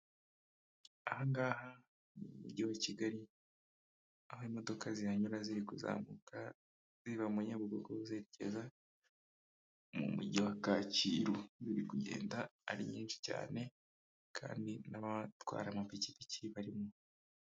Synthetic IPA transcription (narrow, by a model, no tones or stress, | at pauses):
ahaŋɡaːha | mumṵɟiwaciɡaɾi | ahoimo̞do̞kʰazijaɲuɾaziɾikuza̰ːmukʰa | z̥iβamuɲaβuɡoɡoβuzeːɾece̞̰za | mṵmṵɟiwakaciɾuziɾikuɟe̞̰ːndaːɾiɲiːnʃi̥ca̰ːne̞ | kʰa̰ːndinaβatwa̰ːɾamapicipicʰiβaɾimo